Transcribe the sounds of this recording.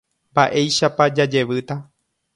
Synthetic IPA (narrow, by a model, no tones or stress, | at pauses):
mbaʔe̞jʃapad͡ʒad͡ʒe̞ʋɨt̪a